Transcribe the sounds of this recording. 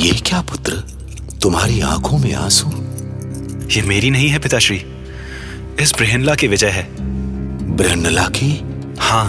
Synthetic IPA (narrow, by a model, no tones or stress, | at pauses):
jeːkjaːpʊt̪ɾə | t̪ʊmɦaːɾiã̰ːkʰõmẽa̰ːsu | jeːmeːɾinɐɦĩɦɛpɪt̪aʃɾiː | ɪsbɾeɦnlakeʋɪd͡ʒəjɦɛː | bɾɛːnlakʰi | hãː